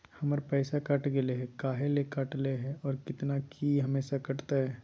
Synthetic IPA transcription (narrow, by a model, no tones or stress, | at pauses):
hɐməɾpɛːsakɐʈɡɪleɦɛkaːɦelekɐʈleɦɛɔːɾkɪt̪nakʰiɦɐmeːʃakɐʈt̪aɦɛː